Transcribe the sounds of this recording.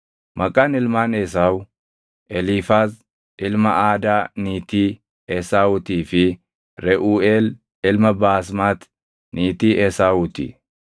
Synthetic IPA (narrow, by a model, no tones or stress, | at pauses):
mʔɐkʼaːnɪlmaːnɛs̬aːʊ | ʔɛlifaːs | ʔɪlmɐaːd̪aːniːt̪iː | ɛsaːʊt̪iːfɪ | ɾɛʔuːeːl | ɪlmɐbaːs̬maːt̪ | niːt̪iːʔɛsaːʊt̪ḭ